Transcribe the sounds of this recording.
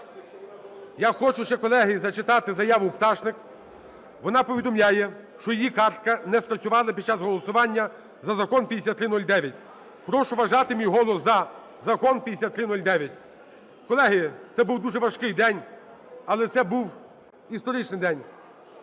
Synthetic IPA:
jaxɔt͡ʃʊʃt͡ʃɛkɔlˠɛɦɪzɐt͡ʃɪt̪ɑt̪ɪzɐjaʋʊpt̪ɑʃnɪk | ʋɔnɑpɔʋʲid̪ɔmlʲajɛ | ʃt͡ʃɔjijikɑrt̪̚kɐnɛspɾɐsʲʊʋɑlˠɪpʲid̪̚t͡ʃɑzɦɔlˠɔsʊʋɑnʲːɐ | zɐzɐkɔnpʲid̪esʲat̪ːɾɪnɔlʲd̪ɛʋʲjɐtʲ | pɾɔʃʊʋɐʒɑt̪ɪmʲijɦɔlˠɔszɐ | zɐkɔnpʲid̪esʲat̪ːɾɪnɔlʲd̪ɛʋʲjɐtʲ | kɔlˠɛɦɪjt̪ɛbuwd̪uʒɛʋɐʃkɪjd̪ɛnʲ | ɐlˠɛt̪sɛbuw | ist̪ɔɾɪt͡ʃnɪjd̪ɛnʲ

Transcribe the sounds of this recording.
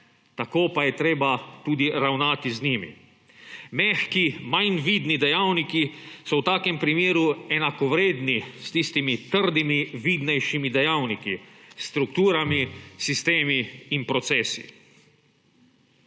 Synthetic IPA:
t̪akoːpajɛt̪ɾeːbat̪uːd̪iɾawnaːt̪izniːmḭ | mɛxkimajnʋiːd̪nid̪ɛjawnikisɔwt̪aːkɛmpɾimeːɾuɛnakɔʋɾeːd̪nist̪ist̪imit̪əɾd̪imiʋiːd̪nɛjʃimid̪ɛjawnikḭst̪ɾukt̪uːɾamisist̪eːmiːnpɾɔt̪sɛːsḭ

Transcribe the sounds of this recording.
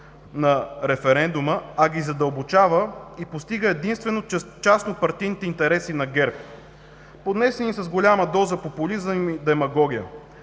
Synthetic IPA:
nɐɾɛfɛɾɛnd̪uməɐɡʲizɐd̪əlˠbot͡ʃavəipost̪iɡəɛd̪inst̪vɛnot͡ʃasnopɐɾt̪ijnit̪ɛint̪ɛɾɛsinɐɡɛɾp | pod̪nɛsɛnisɐzɡolʲaməd̪ɔzəpopolizəmid̪ɛmɐɡɔɡʲijə

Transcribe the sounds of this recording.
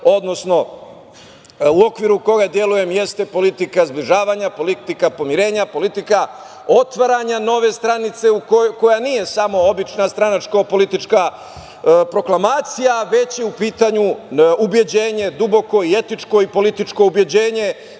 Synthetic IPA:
o̞d̪no̞sno̞ | uo̞kʋiɾuko̞ɡad̪je̞luje̞mje̞st̪e̞po̞lit̪ikazbliʒaːʋaɲapo̞lit̪ikapo̞miɾe̞ːɲapo̞lit̪ika | o̞t̪ʋaɾaɲano̞ʋe̞st̪ɾanit̪se̞ukko̞janiːje̞samo̞obit͡ʃnast̪ɾanat͡ʃkopo̞lit̪it͡ʃka | pɾo̞klˠamaːt̪sijaʋe̞t͡ɕjeupiːt̪aɲuubje̞d͡ʑe̞ːɲe̞d̪ubo̞ko̞ie̞t̪it͡ʃko̞ipo̞lit̪it͡ʃko̞ubje̞d͡ʑe̞ːɲe̞

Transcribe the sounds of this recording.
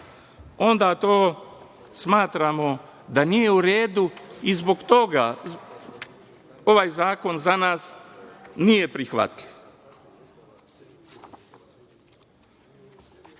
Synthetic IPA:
o̞nd̪at̪oː | smaːt̪ɾamo | d̪anijeuɾeːd̪uizbo̞kt̪o̞ɡa | o̞ʋaːjzaːko̞nzanaːs | nijepɾixʋa̰t̪liʋ

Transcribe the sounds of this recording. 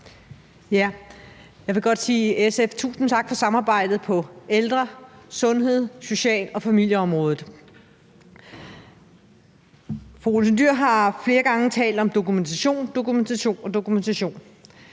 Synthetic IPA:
jæ | jɑ̈ɪʋe̝ɡ̥ɒ̽d̥siːeseft͡sʰṵːsn̩t͡sʰɑ̈ɡ̥fɒ̽sɑ̈mɑ̈ːb̥ɑ̈ɪ̰d̥ð̞̩ˠpʰɒ̽eld̥ʁɐsɔ̽nɦe̝ð̞̰ˠso̝ɕɛ̰ːlɒ̽fæmil̰jəɒ̽mʁɔ̽ːð̞ˠð̩ˠ | fʁoolsend̥yɐ̰ɦɑ̈fle̝ːɐɡ̥ɑ̈ŋət͡sʰɛ̰ːld̥ɒ̽md̥o̝kument͡sʰæɕo̝̰ːnd̥o̝kument͡sʰæɕo̝̰ːnɒ̽d̥o̝kument͡sʰæɕo̝̰ːn

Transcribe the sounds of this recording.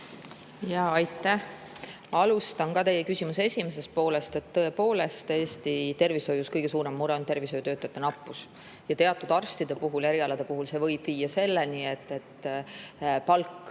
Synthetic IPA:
jɑɑjt̪ːˑæh | ɑlust̪ɑnkɑt̪e̞jekysʲimusesʲime̞s̬e̞st̪̚po̞ːle̞st̪e̞t̪ːɤ̞epo̞ːle̞st̪eːsʲt̪it̪e̞rviso̞juskɤjɡ̥e̞suːɾe̞mːuɾeo̞nt̪e̞rvisojut̪øːt̪ːˑɑt̪ːˑenɑpːˑus | jɑt̪e̞ɑt̪ːˑud̪̥ɑrst̪id̪̥e̞puɦuleɾiɑlɑd̪̥e̞puɦulse̞vɤ̞jb̥viːjːɑse̞lːenie̞t̪ːe̞t̪ː | pɑlkː

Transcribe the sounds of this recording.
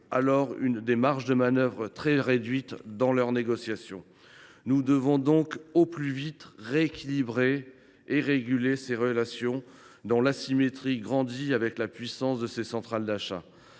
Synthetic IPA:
alɔʁy̰nd̪emaʁʃd̪əmanœvʁət̪χɛʁed̪ɥit̪d̪ɑ̃lœʁneɡɔsjasjɔ̃ | nud̪əvɔ̃d̪ɔ̃koplyvit̪ʁeːkʲilibʁeː | ʁeɡʲyleseʁəlasjɔ̃ | d̪ɑ̃lasimet̪χiɡʁɑ̃d̪iavɛklapɥisɑ̃sd̪əsesɑ̃t̪χald̪aʃa̰

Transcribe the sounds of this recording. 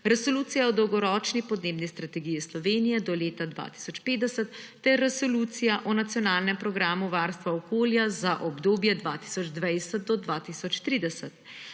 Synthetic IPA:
ɾɛsoluːt̪sijaɔd̪ɔwɡɔɾɔːt͡ʃnipɔd̪neːbnist̪ɾat̪ɛɡijislɔʋeːnijɛd̪ɔleːt̪ad̪ʋa̰t̪i̥sɔt͡ʃpeːd̪ɛsɛt̪ːɛɾːɛsoluːt̪sijaʔɔnat̪sijɔnaːlnɛmpɾɔɡɾaːmuʋaːɾst̪ʋaɔkoːljazaʔɔbd̪oːbjɛd̪ʋat̪i̥sɔd͡ʒd̪ʋajsɛt̪̚d̪ɔd̪ʋaːt̪isɔt͡ʃt̪ɾiːd̪ɛsɛt̪

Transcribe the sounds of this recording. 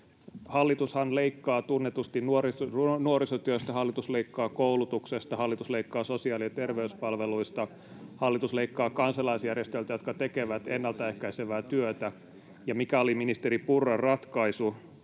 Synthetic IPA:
hɑlːit̪ushɑnleikːɑːt̪unːet̪ust̪innuorinuoɾisot̪yøst̪æhɑlːit̪usleikːɑːkoulut̪uksest̪ɑhɑlːit̪usleikːɑːsosiɑːliɑt̪erʋeyspɑlʋeluist̪ɑ | hɑlːit̪usleikːɑːkɑnsɑlɑisjærjest̪elt̪æjo̞t̪kɑt̪ekeʋæt̪enːɑlt̪æehkæiseʋæːt̪yøt̪æ | jɑmikæoliminist̪eɾipurːɑrɑt̪kɑisu

